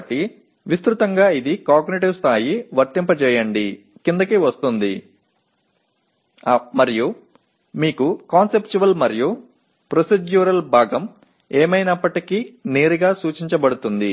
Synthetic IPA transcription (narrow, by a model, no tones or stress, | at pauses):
bɐʈːi | ʋist̪ɾut̪ɐŋɡaːid̪ikaːɡniʈiʋst̪ʰaːjiʋɐɾt̪impɐt͡ʃɛːjɐɳɖi | kind̪ɐkiːʋɐst̪und̪ḭ | mɐɾiju | miːkukaːnsept͡ʃuʋɐlmɐɾiju | pɾosed͡ʒjuːɾɐlbʱaːɡɐm | eːmɐjnɐpːɐʈikineːɾiɡaːsuːt͡ʃiɲt͡ʃɐbɐɽut̪und̪i